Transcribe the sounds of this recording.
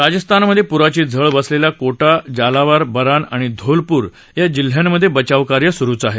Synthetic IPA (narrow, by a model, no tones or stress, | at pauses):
ɾad͡ʑəst̪ʰanməd̪ʱːjepuɾat͡ɕiːd͡zʱəɭbəslelakoʈad͡ʑalaʋaɾbəɾanaɽ̃id̪ʱolpuːɾ | jad͡ʑil̤jamːəd̪ʱːjebət͡ɕaʋkaɾjəsuɾuːt͡saɦe